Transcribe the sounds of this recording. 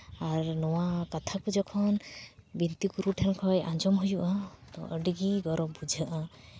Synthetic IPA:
aɾnɔwakat̪ʰakud͡ʒɔkʰɔnbint̪ikuɾuʈʰɛnkʰɔjãd͡ʒɔmɦujuʔat̪ɔ̰ʔəɖiɡiɡɔɾɔbud͡ʒʱaʔa

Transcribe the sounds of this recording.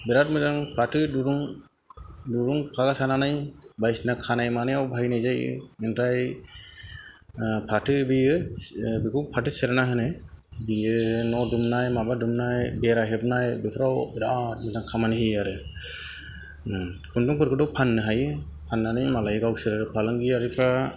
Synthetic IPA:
biɾat̚mɛt̪aŋpʰaʈɯduɾuŋ | duɾuŋpʰaɡasananajbajsnakʰanajmanɯjawbʱajnajd͡ʒaj̰inʈaj | pʰaʈɯbiɯbikʰuwpʰaʈɯsɛɾnaɦɯnɛ | bijɯnɔdumnajmabadumnajbɛɾaɦebnajbipʰɾawbidatmɛt̪aŋkʰamanɦiaɾɯ | kʰunduŋpɯɾkʰɯɖɔpʰanːɯɦajɯ | pʰanːanajmalajɡawseɾɯɾɯpʰalɯnɡijaɾipʰɾa

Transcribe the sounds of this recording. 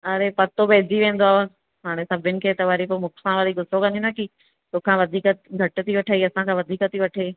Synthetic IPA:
ɐɾepɐt̪obeːd͡ʑiʋẽːn̆d̪oaːɦo | ɦaːɽ̃esɐbʱɪnɪ̆kʰeːt̪ɐʋəɾipomʊkʰsʰãʋaɾiɡʊsokɐ̃nĩnɐki | t̪oːkʰãʋɐd̪ʱiːkət̪ɡʱɐʈ̆t̪ʰiʋɐʈʰaːiɐsãkʰãʋɐd̪ʱiːkət̪iʋɐʈʰaiː

